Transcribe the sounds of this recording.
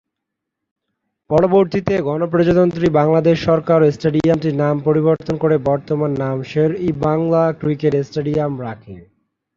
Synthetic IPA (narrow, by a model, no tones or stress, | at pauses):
pɔɽoboɾt̪it̪eɡɔnopɾod͡ʑod̪ont̪ɾibaŋlad̪eʃːɔɾkaɾesʈeɖiamʈiɾnampoɾiboɾt̪onkoɾebɔɾt̪omanːamʃeɾibaŋlakɾikeʈesʈeɖiamɾakʰḛ